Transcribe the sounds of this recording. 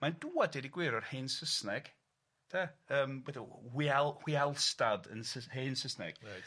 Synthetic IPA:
manduːadɛdiɡwɪɾɔrheːnsəsnɛɡ̥ | d̥ʰaəːmwɛdɔwialhwialˠstadə̰nsəheːnsəsnɛ̰ɡ̥

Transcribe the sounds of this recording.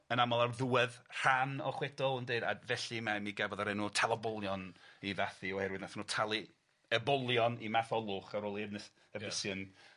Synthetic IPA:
ənamɔlˠarðuɛðr̥anɔχwɛdɔlˠndeɨda̰vɛɬimamiɡɛvɔðaɾɛnutʰalˠabɔlˠjɔniðaθiɔhɛɾwɨdnaθnuːtʰalˠi | əbɔlˠjɔnimaθɔlˠʊχaɾoːlˠiɛvnɪs | əvɪsjən

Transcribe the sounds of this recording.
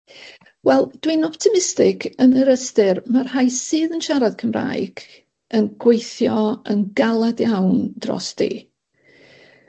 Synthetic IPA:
wɛlˠd̥winɔptʰɪmɪstɪɡʰənəɾəstɨrmarhajsɨːðənʃaɾad̥kʰəmra̰ːjɡ̥ | ənɡ̥wejθjɔənɡalˠadjawnd̥rɔ̰sd̥ḭː

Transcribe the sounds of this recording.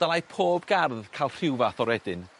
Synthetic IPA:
d̥alˠajpʰoːbɡarðkʰalˠr̥ɪwvaθɔɾɛdɪn

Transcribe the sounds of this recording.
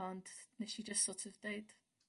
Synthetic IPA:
ɔnd̥nɛʃid͡ʒʌstsɔtʰəvdeɪd̥

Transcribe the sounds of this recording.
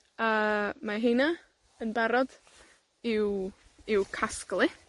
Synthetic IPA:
əːmaɦena | ənbɛɾɔd̥ | ɪw | ɪwkʰasklˠɪ

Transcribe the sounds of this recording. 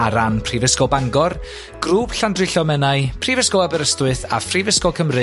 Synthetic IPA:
aɾanpʰrivəskɔbaŋɡɔr | ɡ̥ruːb̥ɬandrɨɬɔmɛnaɨpʰrivəskɔabəɾəstwɨθa̰frivəskɔkʰəmrɨ

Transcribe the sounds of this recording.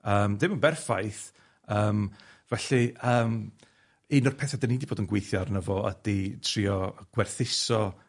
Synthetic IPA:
əːmdɪməbɛrfajθ | əːmvɛɬiəːm | inɔrpʰɛθadanidiboːdənɡwejθjarnəvɔə̰d̥itʰriɔɡ̥wɛrθɪsɔ

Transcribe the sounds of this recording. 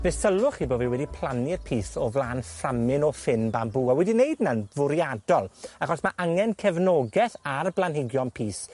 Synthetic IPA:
b̥ɛθsəlˠʊχiboːviwɛdipʰlˠanɪrpʰiːsɔvlˠaːnframɪnɔfɪnbambuːawɛdinejdnanvʊɾjadɔlˠaχɔsmaʔaŋɛnkʰɛvnɔɡɛθarblˠanhɪɡjɔmpʰiːs

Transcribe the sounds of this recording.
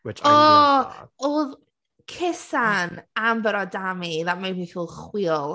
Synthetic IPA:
wɪt͡ʃɔː | ʊð | kʰɪsanambəɾɔdamiðaʔmabikuːlˠχwilˠ

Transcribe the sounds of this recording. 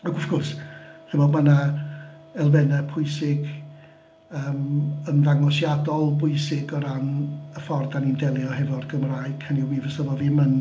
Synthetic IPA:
əɡʊfɡ̥ʊrshɪmɔdmana | ɛlˠvɛnɛpʰʊɨsɪɡ | əːmənðaŋɔsjadɔlˠbʊɨsɪɡɔɾanəfɔrdanindɛlˠjɔhɛvɔdɡəmraɨkʰəniwiːvəsəvɔviːmən

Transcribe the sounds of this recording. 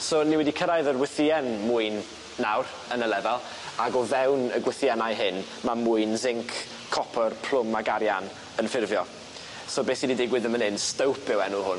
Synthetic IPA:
soniwɛdikʰəɾajðərwɪθiɛnmʊɨnː | awɾ | ənəlˠɛðalˠ | aɡɔvɛwnəɡwɪθjanajɦɪn | mamʊɨnzɪŋkʰː | ɔpʰərpʰl̥ˠʊmːaɡaɾjan | ənfɪrvjɔ | sɔbeːsididɪɡwɪðəmənɪnstəwpʰɪwɛnʊɦʊn

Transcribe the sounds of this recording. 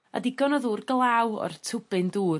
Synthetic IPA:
a̰diɡɔnɔðuːrɡlˠawɔ̰rtʰʊb̥ɨnduː

